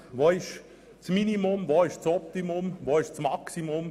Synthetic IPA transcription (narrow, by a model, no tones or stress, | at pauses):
ʋoːɪʃ | t͡sminimʊmvoɪʃt͡sɔp̚t̪imʊmvoːɪʃt͡smɑksimʊm